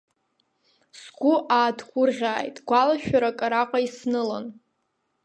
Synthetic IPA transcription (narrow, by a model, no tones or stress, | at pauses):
sɡʷʊʔaːdʰχʷʊrʁʲaːjtʼɡʷalaʃᶣaɾakʼaɾaqʷʼaisnɨla̰n